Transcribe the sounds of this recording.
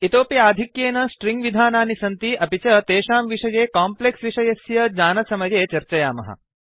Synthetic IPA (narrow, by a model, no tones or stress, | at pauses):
it̪oːpjaːd̪ʱikjeːnɐsʈɾiŋɡʋid̪ʱaːnaːnisɐnt̪iɐpit͡ʃɐt̪eːʃaːmʋiʂɐjeːkaːmpleksʋiʃɐjɐsjɐd͡ʒaːnɐsɐmɐjeːt͡ʃɐɾt͡ʃɐjaːmɐ̰ɦɐ̰